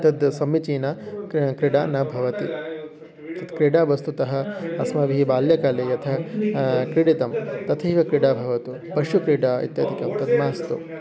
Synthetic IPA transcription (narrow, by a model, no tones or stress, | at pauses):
t̪ɐd̪sɐmːit͡ʃiːnɐkkɾiɽaːnɐbʱɐʋɐt̪i | t̪ɐd̪kɾiɽaːʋɐst̪ut̪ɐɦɐɐsmɐʋiɦibaːljɐkaːlejɐt̪ʰɐ | kɾiɽit̪ɐmt̪ɐt̪ʰɐɦiʋɐkɾiɽaːbʱɐʋɐt̪u | pɐʃukɾiɽaːḭt̪jɐd̪ʱikɐmt̪ɐd̪maːɐst̪ṵ